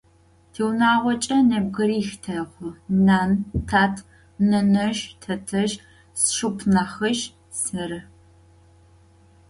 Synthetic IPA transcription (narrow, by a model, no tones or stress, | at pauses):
tʰiːwnaːʁʷɔt͡ʃʼɐnɐb̚ɡɨɾiːxtʰɐʁʷɨnaːntʰaːtʰ | nɐnɐʒtʰɐtʰɐʒ | sʃupʰnaːχɐʒ | sɨɾɨ